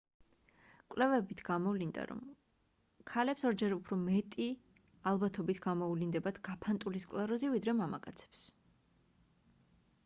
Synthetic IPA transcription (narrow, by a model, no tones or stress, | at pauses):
kʼlɛvɛbit̪ʰɡ̥amɔvlind̪a̰ɾɔ̰m | kʰalɛpsɔɾd͡ʒɛɾupʰɾɔmɛt̪ʼi | alˠbat̪ʰɔbit̪ʰɡamɔuvlind̪ɛbad̪̥ʰɡ̥apʰant̪ʼuliskʼlˠaɾɔzivid̪ɾɛmama̰kʼat̪sʰɛ̥ps